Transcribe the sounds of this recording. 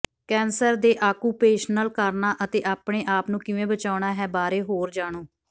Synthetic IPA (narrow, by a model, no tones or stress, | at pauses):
kɛːnsəɾd̪eːʔaːkuːpeːʃnəlkəɾnaːʔət̪eːʔaːpɳeːʔaːpnũːkɪʋẽːbət͡ʃaːʊɳaːɦɛːbaːɾeːɦoːɾd͡ʒaːɽ̃oː